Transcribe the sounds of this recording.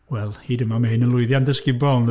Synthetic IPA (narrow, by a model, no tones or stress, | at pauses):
wɛlˠhiːdəmamahɨnənlˠʊɨðjandəskɪbɔlˠn